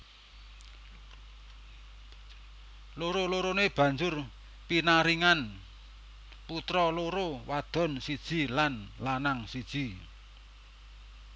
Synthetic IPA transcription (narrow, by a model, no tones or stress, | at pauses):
loɾoloɾoneb̥ä̤ɲd͡ʒʊr | pinaɾiŋan | put̪ɾɔloɾowad̪̥ɔ̤nsid̥ʒ̥i̤lanlanaŋsid̥ʒ̥i̤